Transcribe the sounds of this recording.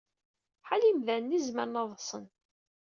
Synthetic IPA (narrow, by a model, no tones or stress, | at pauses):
ħalimðænːizməɾnɑðˤsˤən